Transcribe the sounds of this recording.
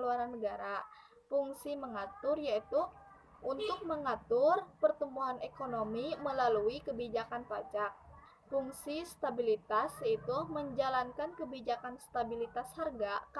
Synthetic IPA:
luaɾanːəɡaɾa | puŋsiməŋat̪ʊrjait̪u | unt̪ʊk̚məŋat̪ʊrpərt̪əmuɦanekonomiməlaluikəbid͡ʒakanpat͡ʃak̚ | puŋsist̪abilit̪asjait̪uməɲd͡ʒalankankəbid͡ʒakanst̪abilit̪asharɡak

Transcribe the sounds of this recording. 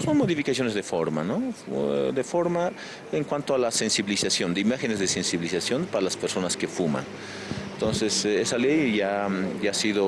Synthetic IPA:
sonmoðifikasjo̞ne̞zðefo̞ɾma̰no | d̪efo̞ɾma | eŋkwant̪oalase̞nsiβilisasjo̞nd̪eimaxenezðesensiβilisasjo̞npaɾalaspeɾso̞naskefuma̰n | nt̪o̞nsesesalejʝaʝaasiðo

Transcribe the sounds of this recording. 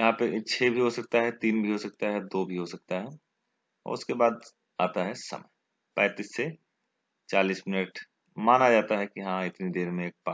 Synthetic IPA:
jɐɦãpeʔɪːʃʰebʱiɦosɐk̚t̪aɦɛt̪iːnbʱiɦosɐk̚t̪aɦɛd̪oːbʱiɦosɐk̚t̪aɦɛ | ɔ̰ːɾʊskebaːd̪ | a̰ːt̪aɦɛsɐ̰mɛ̰j | pɛ̃ːt̪iːsːe | t͡ʃaːliːsmɪnəʈ | maːnad͡ʒaːt̪aɦɛkiɦãɪt̪nid̪eːɾmẽeːk̚pa

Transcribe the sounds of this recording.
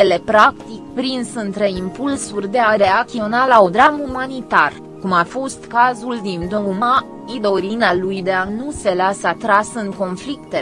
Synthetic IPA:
ele̞pɾakt̪ikpɾinsɨnt̪ɾe̞impulsurʲd̪e̞aɾe̞akt̪io̞nalaod̪ɾamumanit̪ar | kumafo̞st̪kazuld̪ind̪ouma | id̪o̞ɾinalujd̪eanuse̞lasəat̪ɾasɨŋko̞nflikt̪e

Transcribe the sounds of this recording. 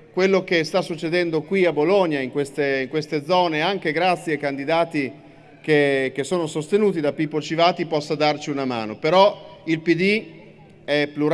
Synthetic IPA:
kwelːok̟est̪asːut͡ʃːed̪ɛnd̪okwiaboloɲːaiŋkwest̪eiŋkwest̪ed̪zːɔːneaŋkeɡɾat̪sːjeajkand̪id̪aːt̪i | k̟ek̟esːoːnosost̪enuːt̪id̪apipːot͡ʃivaːt̪ipɔsːad̪art͡ʃiunama̰ːnopeɾɔilpid̪i | ɛpluɾ

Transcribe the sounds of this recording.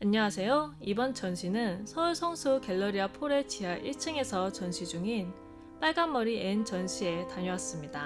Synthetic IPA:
aɲːʌŋwasʰe̞joibʌnt͡ɕʌnɕʰinɯnsʰʌuɭsʰʌŋsʰuke̞ɭːʌɾiapʰoɾe̞t͡ɕʰiɦaʔiɭt͡ɕʰɯŋe̞sʰʌt͡ɕʌnɕʰid͡ʑuŋin | p͈aɭɡanːʌɾient͡ɕʌnɕʰie̞taɲoas͈ɯmɲida

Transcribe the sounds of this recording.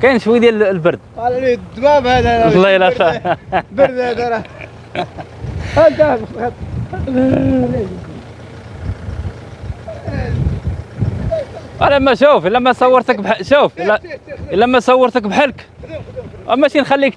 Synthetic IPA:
kæjnʃwid̪jællbəɾˤd̪̚llid̪mæbhæd̪æɾlːɑilæt̪æbəɾd̪hæd̪æɾɑ | hæd̪æbɑt̪ | ælæmːæʃufəlːæmːæsˤɑwːəɾt̪əkbħəʃuflːæəlːæmæt̪sˤɑwːəɾˤt̪əkbħəlk | wæ̰mæʃinxælːik

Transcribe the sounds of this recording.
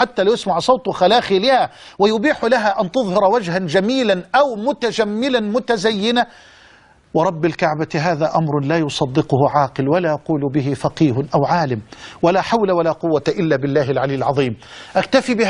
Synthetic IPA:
ħat̪ːaːlajɪsmaʕsˤɑwt̪ˤxalaːxilɪhawɪjʊbiːħlaɦaʔant̪ʊðˤhɑɾˤwad͡ʒhand͡ʒamiːlanʔawmʊt̪ad͡ʒamːɪlanmʊt̪azajːɪna | wɑɾˤɑbːɪlkaʕbaɦaːðaːʔamɾˤʊlaːjʊsˤɑd̪ːɪqʊhʊʕɑːqɪlwalaːjɑquːlʊbɪɦɪfɑqiːɦʊnʔawʕaːlɪmwalaːħawlawalaːqʊwːat̪aʔɪlːaːbɪlːaːhɪlʕaliːɪlʕɑðˤiːmʔakt̪afibɪ

